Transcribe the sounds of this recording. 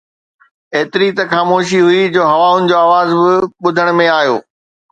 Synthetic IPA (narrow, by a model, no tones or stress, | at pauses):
eːt̪ɪɾit̪ɐxaːmoːʃ̬iɦʊid͡ʑoːɦɐʋaːʊnɪ̆d͡ʑoːaːʋaːzbɪɓʊd̪ʱəɽ̃mẽaːɦjo̰ː